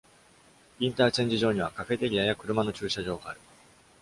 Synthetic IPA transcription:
ĩnt̪aːt͡ɕẽ̞ɲ̟d͡ʑiʑo̞ːɲ̟iβ̞akaɸe̞t̪e̞ɾʲijajakɯ̟ɾɯ̟mano̞t͡ɕɨːɕaʑo̞ːɡaːɾɯ̟

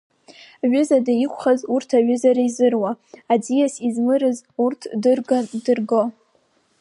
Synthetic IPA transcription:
ɥʊzadaikʷʰχazurtʰaɥʏzaɾaizɨrwaad͡zijasizmɨɾɨzurtʰdɨrɡandɨrɡo

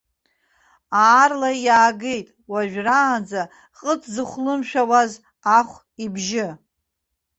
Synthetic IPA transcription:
aːrlajaːɡe̞jtʼwaʒᶣraːnd͡za | qʼət͡sʰzɨχʷlɨmʃᶣawaz | aχʷ | ibʒɪ

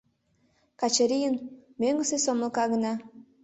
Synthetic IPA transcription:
kɑt͡ɕəɾijənmøŋɡəsesoməlˠkɑɣənɑ

